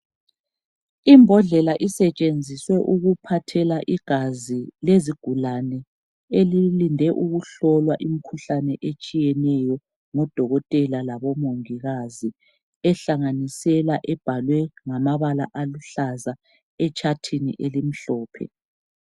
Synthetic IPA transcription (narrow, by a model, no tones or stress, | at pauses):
imbʱɔɮɛlaʔisɛt͡ʃʼend͡zʱiswɛʔuɣupʰatʰɛlaʔiɡ̥ʱazileziɡ̥ʱulanɛ | elilindʱɛʔuɣuɬɔlwaʔim̩kʰuɬanɛʔet͡ʃʼijɛnɛjɔ | ŋɔd̥ʱɔɣɔtʼɛlalaβɔmoŋiɣazi | ɛɬaŋanisɛlaʔɛb̥ʱalwɛŋamaβala̰ʔaluɬaza | ɛt͡ʃʼatʰinḭʔelim̩ɬɔːpʰɛ̰